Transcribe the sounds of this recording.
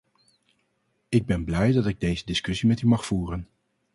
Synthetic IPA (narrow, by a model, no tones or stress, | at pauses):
ɪɡ̚bɛnblɛjdɑtɪɡ̚dejzədɪskɵsimɛtymɑχfuːrən